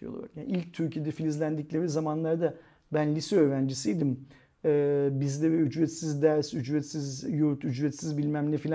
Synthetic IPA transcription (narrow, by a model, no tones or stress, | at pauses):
ijo̰ṵjanilʲc̚t̪ʰyɾcʰijed̪ɛfilʲizlʲænd̪iclʲeɾizamanlˠaɾd̪a | bænlʲisɛø̞ːɾænd͡ʒisijd̪im | ɛːbizlʲɛvɛyd͡ʒɾɛt̪sizd̪æɾsyd͡ʒvɛt̪sizjuɾt̪yd͡ʒvɛt̪sizbilʲmæmlʲɛfilʲ